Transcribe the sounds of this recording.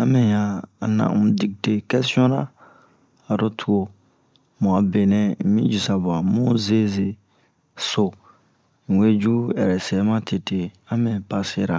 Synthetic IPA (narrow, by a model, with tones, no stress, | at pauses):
ã˦mɛ̃˨jã˨a˨nã̰˨ũ˨di˨ɡi˨te˦kɛ˦si˦ɔ̃˦ɾa˦ | a˨ɾo˦tʰu˨o˨ | mɔ̃˨a˨be˨nɛ̃˦mḭ̃˦d͡ʒu˨sa˨ba˨mũ˦ze˦ze˨ | so˨ | ŋ̩˨we˦d͡ʒu˦ɛ̰˨ɾɛ˨sɛ˨˦mã˦tʰe˨tʰe˨ | ã˦mɛ̃˨pa˦se˦ɾa˨